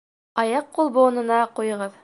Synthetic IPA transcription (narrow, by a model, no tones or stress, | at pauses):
ɑjɑqːulˠbuːnɤ̆nɑqujɤ̆ʁɤð